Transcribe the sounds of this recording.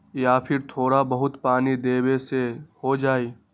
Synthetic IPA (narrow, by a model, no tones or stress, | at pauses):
jaːpʰɪɾt̪ʰoːɽabɐɦʊt̪paːnid̪eːwesehod͡ʒaːiː